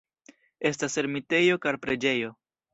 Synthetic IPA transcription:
e̞stase̞ɾmite̞jo̞kaɾpɾe̞d͡ʒe̞jo̞

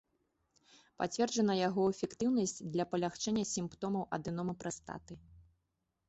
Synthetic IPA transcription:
pa̰t͡sʲvʲɛrd͡ʒɐnɐjaɣɔɛfʲɛkt̪ɨwnɐsʲt͡sʲd̪lʲɐpɐlʲaxt͡ʂɛnʲːɐsʲimpt̪ɔmɐwʔɐ̰d̪ɨnɔmɐpɾɐst̪a̰t̪ɨ

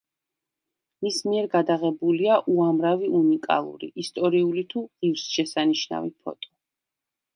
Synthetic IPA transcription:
mismiɛɾɡad̪aʁɛbuliaʔuamɾaviunikʼa̰lˠṵɾḭʔist̪ʼɔɾiulit̪ʰuʁivsʃɛsaniʃna̰vipʰɔ̰t̪ʼɔ̥

